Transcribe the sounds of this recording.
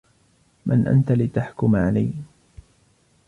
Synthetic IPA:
mʔa̰nʔa̰nt̪alɪt̪aħkʊmʕalaj

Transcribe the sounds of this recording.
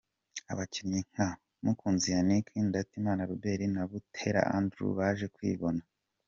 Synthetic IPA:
a̰βacinɲiŋ̥a | mukuːnzijanikʰiːndatimaːnaɾube̞ɾinaβutʰe̞ɾa̰ʔa̰ndɾṵβaʒe̞kwḭːβo̞na

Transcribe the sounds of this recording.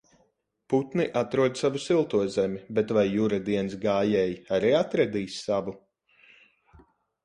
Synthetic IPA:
put̪niʔat̪ɾuɔd̪savusilˠt̪uɔzɛmʲibɛt̪vajːuɾad̪iɛnsɡaːjɛjaɾiːat̪ɾɛd̪iːsːavu

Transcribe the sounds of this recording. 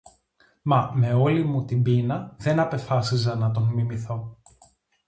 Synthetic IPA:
mɐme̞o̞limut̪imbinɐðe̞nɐpe̞fɐsizɐnɐt̪o̞nmimiθo̞

